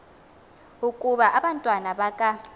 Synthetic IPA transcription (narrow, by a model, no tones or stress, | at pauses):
ukʼuɓaʔaɓantʼwanaɓakʼa